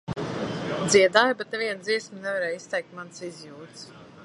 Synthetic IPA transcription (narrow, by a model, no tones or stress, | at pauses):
d̪ziɛd̪aːjbet̪̚neviɛnd̪ziɛsmnɛvaɾɛːjist̪ɛjk̚t̪mansizʲjuːtt̪s